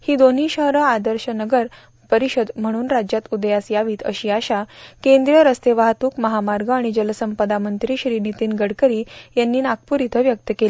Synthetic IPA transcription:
hiːd̪on̤iːɕəɦɾəad̪əɾɕənəɡəɾ | pəɾiɕəd̪m̤əɽ̃uːnɾad͡ʑjat̪ud̪jasjaʋiːt̪ə̰ɕiːaɕakẽnd̪ɾjəɾəst̪eʋaɦt̪uːkməɦamaɾɡʱəaɽ̃id͡ʑələsəmpəd̪amənt̪ɾiːɕɾiːnit̪iːnɡəɽkəɾiːjanːiːnak̚puːɾit̪ʰəʋjək̚t̪əkeli

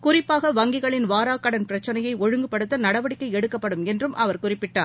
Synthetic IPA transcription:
kʊrɪpːaːɣɐʋɐŋɡɪɣɐɭɪnʋaːɾaːkːɐɽɐnpɪɾɐt͡ʃːɐnɐjɐɪɔɻɯŋɡɯpːɐɽɯt̪ːɐnɐɽɐʋɐɽɪkːɐɪɛɽɯkːɐpːɐɽɯmɛndrɯmʔɐʋɐɾkʊrɪpːɪʈːaːɾ

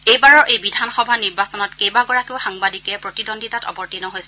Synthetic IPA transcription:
ejbaɹɔʔejbidʱanxɔbʱaniɹbasɔnɔtkejbaɡɔɹakiʊxaŋbadikɛpɹotidɔndʱitatɔ̰bɔɹtinɔɦojsɛ

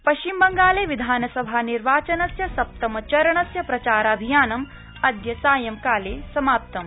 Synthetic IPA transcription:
pɐʃt͡ʃimbɐŋɡaːleːʋid̪ʱaːnɐsɐbʱaːniɾʋaːt͡ʃɐnɐsjɐsɐp̚t̪ɐmɐt͡ʃɐɾɐɳɐsjɐpɾɐt͡ʃaːɾɐbʱijaːnɐm | ɐd̪jɐsaːjɐmkaːleːsɐmaːp̚t̪ɐm

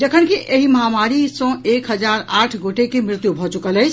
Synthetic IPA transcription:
d͡ʒəkʰənkiʔeɦiməɦamaɾisə̃ekɦəd͡ʒaɾaʈʰɡoʈekemɾɪt̪jubʱɔt͡ʃukələjt͡ʃʰ

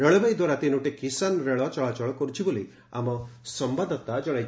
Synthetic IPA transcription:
ɾɔɭɔbajd̪waɾat̪inuʈekisanɾeɭɔt͡ʃɔɭat͡ʃɔɭɔkɔɾut͡ʃʰiboli | a̰mɔsɔmbad̪ʱɔt̪ad͡ʒɔɽ̃aj

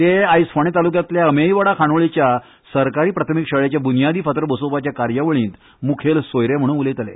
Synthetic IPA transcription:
t̪eajsfʰəɳ̃et̪alukjãt̪ljaəmejʋəɽakʰaɳʋɭit͡ɕja | səɾkaɾiːpɾat̪ʰəmikɕəɭet͡ɕjabunijad̪iːfət̪ɾəbəsopat͡ɕjakaɾjəʋəɭĩːt̪ | mukʰelsojɾem̤əɽ̃uːnulet̪əlḛ

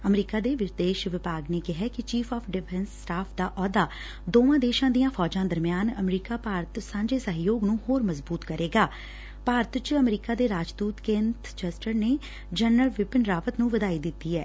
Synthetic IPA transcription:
əmɾiːkaːd̪eːʋɪɾd̪eːʃʋɪpaːɡneːkɪɦɛːkɪt͡ʃiːpʰɔːpʰɖɪpʰɛ̃nsːʈaːpʰd̪aːʔɔːd̪aː | d̪oːʋãːd̪eːʃãːd̪ijãːpʰɔːd͡ʒãːd̪əɾmɪjaːnəmɾiːkaːpaːɾt̪sãːɲd͡ʒeːsəɦjoːɡnũːhoːɾməzbuːt̪kəɾeːɡaː | paːɾət̪t͡ʃəmɾiːkaːd̪eːɾaːd͡ʒd̪uːt̪kẽnt̪ʰt͡ʃəsʈəɾneː | d͡ʒənəlʋɪpənɾaːpət̪nũːʋəd̪aːiːd̪ɪt̪ːiːɛː

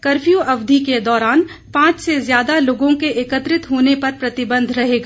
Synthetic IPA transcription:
kɐɾfʰjuʔɐʋd̪ʱiked̪ɔːɾaːn | pãːt͡ʃsezjaːd̪aloːɡõkeʔeːkət̪ɾɪt̪ɦoːnepɐɾpɾɐt̪ɪbə̃nd̪ʱɾɐɦeːɡaː

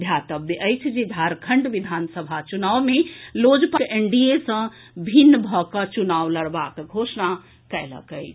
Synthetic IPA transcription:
d̪ʱjat̪əbd̪eʔəjt͡ʃʰd͡ʒed̪ʱaɾkʰəɳɖʋid̪ʱansəbʱat͡ʃunawmelod͡ʒpəkeɳɖijesə̃ | bʱinːbʱɔkət͡ʃunawləɾbakɡʱosna | kɛlə̰kəjʰ

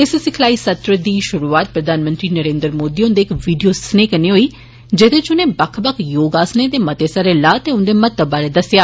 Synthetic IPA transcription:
ɪssɪkʰlaːiːsət̪ɾəd̪iːʃʊɾuːaːt̪̚pɾəd̪ʱaːnmə̃nt̪ɾiːnəɾẽːnd̪əɾmoːd̪iːʊnd̪eːɪkʋiːɖijoːsneːkəniːɦoːiː | d͡ʒɪt̪eːt͡ʃʊneːbəkʰbəkʰjoːɡaːsneːd̪eːmət̪eːsəɾeːlaːt̪eːʊnd̪eːmət̪ːəbːaːɾeːd̪əsɪjaː

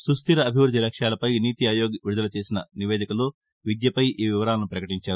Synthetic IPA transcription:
sust̪iɾɐːbʱiʋɾud̪ʱilɐkʂjaːlɐpɐjniːt̪iaːjoːɡʋiɾud̪ɐlɐt͡ʃe̞ːsinɐniʋeːd̪ikɐloː | ʋid̪jɐpɐjʔiːʋiʋɐɾaːlɐnupɾɐkɐʈiɲt͡ʃaːɾu

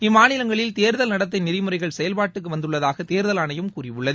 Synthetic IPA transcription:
ɪmːaːnɪlɐŋɡɐɭɪlt̪eːɾðɐlnɐɽɐt̪̬ːɪnɪɾɪmɯrɐɪɣɐɭsɛjɐlpaːʈːɯk̬ːɯʋɐnd̪ɯɭːɐðaːɣɐt̪eːɾðɐlɐːnɐjɯmkuːrɪʋɯɭːɐð

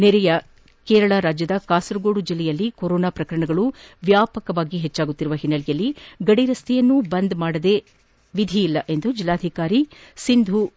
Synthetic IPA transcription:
nɛɾɛjɐ | kɛːɾɐɭaɾaːd͡ʒjɐd̪ɐkaːsɐɾuɡoːɽud͡ʒilːɛjɐlːikoɾoːnaːpɾɐkɐɾɐɳɐɡɐɭuʋjaːpɐkɐʋaːɡiɦɛt͡ʃːaːɡut̪ːiɾuʋɐɦinːɐlijɐlːiɡɐɽiɾɐst̪ʰɛjɐnːubɐnd̪maːɽɐd̪e | ʋid̪ʱijːlːɐʔe̞nd̪ud͡ʒilːaːd̪ʱikaːɾisind̪ʱu

